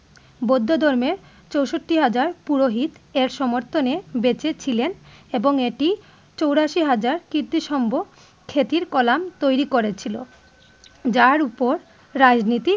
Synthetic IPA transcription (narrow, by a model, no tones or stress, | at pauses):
bod̪ʱːod̪ʱɔɾmeɾ | t͡ɕowʃoʈːiɦad͡ʑaɾpuɾoɦit̪eɾʃɔmoɾt̪ʰonebet͡ɕet͡ɕʰileneboŋeʈi | t͡ɕowɾaʃiɦad͡ʑaɾkiɾt̪iʃɔmbʱo | kʰet̪iɾkɔlamt̪ojɾikoɾet͡ɕʰilo̰ | d͡ʑaɾupoɾː | ad͡ʑnit̪i